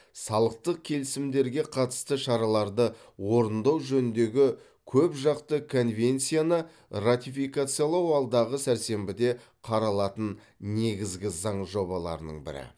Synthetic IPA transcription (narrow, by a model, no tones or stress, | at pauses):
sɑlˠəq̚t̪əq̚kʲʰe̞lɪsɪmd̪e̞ɾɡʲe̞qʰɑt̪ə̥st̪əʃɑɾɑlˠɑɾd̪ə | wo̞ɾənd̪ɑwʒɵnɪnd̪e̞ɡʲɪ | kʲʰɵpʒɑqt̪əkʰo̞nvʲe̞nt̪sijanə | rat̪ifijkat̪sɨjalˠɑwɑlˠd̪ɑʁəsæɾse̞mbɪd̪e̞ | qʰɑɾɑlˠɑt̪ən | ne̞ɡʲɪzɡʲɪzɑɴʒo̞bɑlˠɑ̰ɾənə̰ɴbɪ̰ɾɪ̰